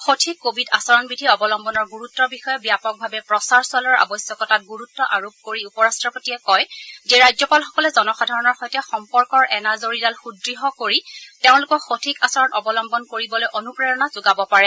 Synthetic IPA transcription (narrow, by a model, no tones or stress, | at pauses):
xotʰikːobʱidasɔɹɔnbidʱiɔbɔlɔmbɔnɔɹɡuɹutːɔbixɔjɛbijapɔk̚bʱabɛpɹɔsaɹswalɔɹa̰bɔsjɔkɔtat̚ɡuɹutːɔʔaɹob̚koɹiupɔɹastɹɔpotiɛkɔjzeɹajzɔpalxɔ̥kɔlɛzɔnɔxadʱaɹɔnɔɹxojtɛxɔmpɔɹkɔɹʔɛnazoɹidalxudɹiɦɔkoɹiteʊ̃lʊkɔxotʰikasɔɹɔnɔbɔlɔmbɔnkoɹibɔlojʔonupɹɛɹɔnaz̥ʊɡabɔpaɹɛ